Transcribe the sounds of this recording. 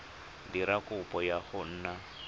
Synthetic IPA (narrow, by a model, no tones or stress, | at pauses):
diɾakʊpʼɔjaχʊn̩ːna